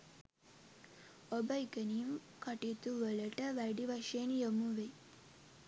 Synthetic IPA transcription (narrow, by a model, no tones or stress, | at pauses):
obɐikənijum | kaʈit̪uʋələʈəʋæɖiʋaʂejenjomuʋe